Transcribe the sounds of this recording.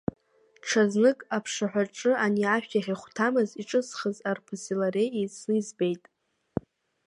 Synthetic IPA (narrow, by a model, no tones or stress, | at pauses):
ʈ͡ʂʰaznɨkʼapʰʂɨħʷᶣaʈ͡ʂʼɨaniaʃᶣtʰʼaχʲiχʷtʰamɨziʈ͡ʂʼɨsχəzarpʰɨsilaɾejeznɨzbejtʼ